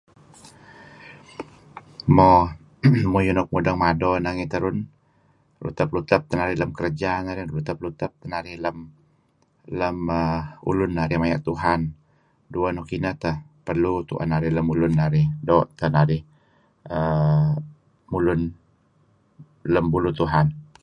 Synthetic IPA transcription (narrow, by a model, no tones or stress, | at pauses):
mɔ | mujunɔk̚mudəŋmadɔnaŋit̪əɾʊn | rṵt̪əp̚lut̪əp̚t̪ənaɾɪhləmkəɾəd͡ʒanaɾɪhlut̪əp̚lut̪əp̚t̪ənaɾɪhləm | ləməṵlʊnːaɾɪhmajaʔt̪uɦan | duənukinət̪əhpərlut̪ṵʔa̰naɾɪləmulʊnːaɾɪhdɔʔt̪ənaɾɪh | ə | mulʊn | ləmbulut̪uɦan